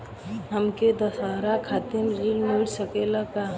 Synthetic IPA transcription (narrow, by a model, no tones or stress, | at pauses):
ɦəmked̪əsaɾakʰaːt̪ɪmɾilnuɽsəkelaka